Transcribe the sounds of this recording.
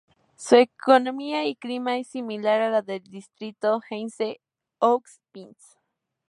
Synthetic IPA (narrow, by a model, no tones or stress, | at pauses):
suekonomiaikɾimaesimilaɾalaðeld̪ist̪ɾit̪oxense | okspins